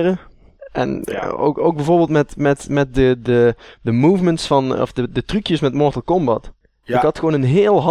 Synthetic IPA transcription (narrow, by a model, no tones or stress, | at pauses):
rə | ʔɛ̰no̰ko̰wɡbɛjvoːɹbɪːlˠtmɛtmɛtmɛt̚dədədəmuːvməntsfɑnɔ̰fdədətrykjəsmɛtmɔɹtəl̩ˠkɔmbɑt | ɪkɦɑtxəoːnənɦɪːlˠɦɑ